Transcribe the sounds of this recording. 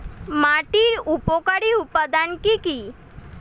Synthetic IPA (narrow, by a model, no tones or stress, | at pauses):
maʈiɾupokaɽiupːad̪ankiki